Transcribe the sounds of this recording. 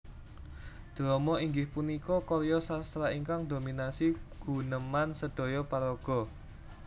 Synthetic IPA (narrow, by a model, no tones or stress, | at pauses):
d̪̥ɾɔmɔiŋɡɪhpunikɔkɔɾjɔsast̪ɾaiŋkaŋd̪ominasiɡ̥ṳnəmansəɖ̪̥ɔ̤jɔpaɾɔɡ̥ɔ̤